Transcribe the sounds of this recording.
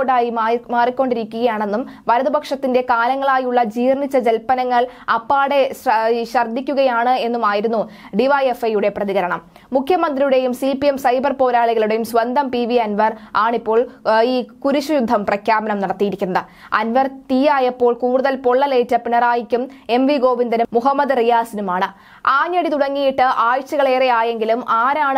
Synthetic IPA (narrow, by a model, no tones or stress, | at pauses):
oɖaːjimaːrikʲːo̞ɳɖiɾikʲːuɣɐjaːɳe̞nːumʋɐɾɐðubɐkʂɐt̪ːinde̞kaːlɐŋːɐɭaːjuɭːɐd͡ʑiːrɳit͡ɕːɐd͡ʑelpɐnɐŋːɐɭɐpːaːɽeɕɕɐrd̪ʱːikʲːuɣɐjaːɳɨe̞nːumaːjiɾunːu | ɖiʋɐjefɐjuɽe̞prɐðiɣɐɾɐɳɐmː | ukʰjɐmɐnd̪rijuɽe̞jumsipiemsɐjbɐrpo̞ːɾaːɭiɣɐɭuɽe̞jumsʋɐnd̪ʱɐmpiʋiɐnʋɐraːɳipːo̞ːɭiːkuɾuɕujud̪ʱːɐmprɐkʰjaːbɐnɐmnɐɽɐt̪ːijiɾikʲːunːɐðɨ | ɐnʋɐrt̪ijaːjɐpːo̞ːɭkuːɽuðɐlpo̞ɭːɐleːtːɐpinɐraːjikʲːume̞mʋiɡo̞ːʋind̪ɐnumuɦɐmːɐd̪rijaːsinumaːɳɨ | aːɲːɐɽit̪uɽɐŋːijiʈːɨʔaːjut͡ɕːɐɣɐɭe̞ːrejaːje̞ŋɡilumʔaːɾaːɳɨ